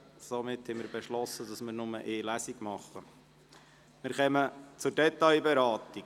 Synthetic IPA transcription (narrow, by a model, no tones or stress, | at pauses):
somɪthɛməɾbeʃlɔsːədɑsmɪɾnʊməʔeːlæsiɡmɑχːə | mɪɾχɛmət͡sʊɾdɛt̪ːɑjbɛɾɑːt̪ik